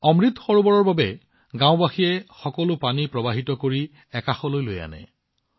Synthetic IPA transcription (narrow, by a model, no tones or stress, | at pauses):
ɔmɹit̪xɔɹubɔɹɔɹbabɛ | ɡãw̃baxiɛxɔkɔlʊpanipɹɔbaɦitɔkoɹi | ɛkaxɔlojloja̰nɛ̰